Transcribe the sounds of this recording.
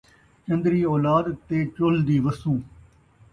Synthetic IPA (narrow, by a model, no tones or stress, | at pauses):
t͡ʃənd̪ɾiːɔːlaːd̪t̪eːt͡ʃold̪iːʋəst̪ũː